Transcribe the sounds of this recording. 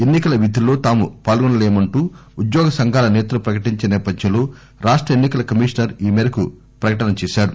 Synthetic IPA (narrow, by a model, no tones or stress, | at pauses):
e̞nːikɐlɐʋid̪ilo̞ːt̪aːmupaːlɡɔnɐleːmɐɳʈuːud̪jɔːɡɐsɐŋɡʱaːlɐnɛːt̪ulɐpɾɐkɐʈiɲt͡ʃenɛːpɐd̪jɐ̃nloː | ɾaːʂʈɾɐenːikɐlɐkɐmiːʂnɐɾiːmɛːɾɐku | pɾɐkɐʈɐnɐt͡ʃɛːʃaːɾu